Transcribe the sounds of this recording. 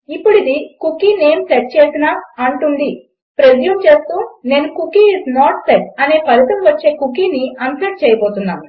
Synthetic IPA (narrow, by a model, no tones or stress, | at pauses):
ipːuɽid̪ikukine̞ːmseʈ̚t͡ʃeːsinaːɐɳʈund̪i | pɾed̪jumt͡ʃe̞ːst̪uːne̞ːnukukiːznaːʈseʈɐne̞ːpɐɾit̪ɐmʋɐt͡ʃːe̞ːkukiniʔɐnsɐʈ̚t͡ʃɛːjɐpoːt̪unːaːnu